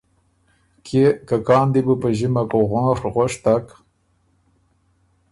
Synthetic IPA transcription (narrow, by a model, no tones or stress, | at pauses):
kʰekakɑːnd̪ibupəʒimakoɣaŋxɣʷaʂt̪ak